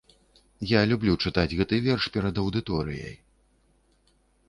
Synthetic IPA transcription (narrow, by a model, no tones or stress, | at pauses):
jalʲublʲut͡ʂɨt̪ad͡zʲɣɛt̪ɨvʲɛrʂpʲɛɾɐd̪ɐwd̪ɨt̪ɔɾɨ̰jɐ̰j